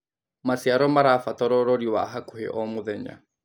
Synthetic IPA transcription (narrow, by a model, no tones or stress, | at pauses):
masiaɾɔmaɾafat̪ɔɾɔɾɔɾiwaɦakuhɛ̰ʔɔmuðɛɲa̰